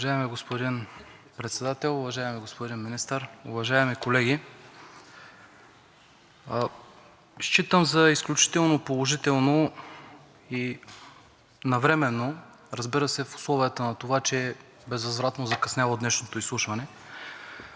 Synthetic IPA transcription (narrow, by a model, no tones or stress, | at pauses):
ʒaɛmiɡospod̪in | pɾɛt̪sɛd̪at̪ɛlˠʊvɐʒaɛmiɡospod̪inminist̪əɾʊvɐʒaɛmikolɛɡʲi | ʃt͡ʃit̪əmzɐisklʲut͡ʃi̥t̪ɛlˠnopolˠoʒit̪ɛlˠno | i | nɐvɾɛmɛnːo | ɾɐzbiɾəsɛfʊ̥slˠɔvijət̪ənɐt̪ovat͡ʃɛ | bɛzvɐzvɾat̪nozɐkɐsnʲavod̪nɛʃnot̪oislˠuʃvɐnɛ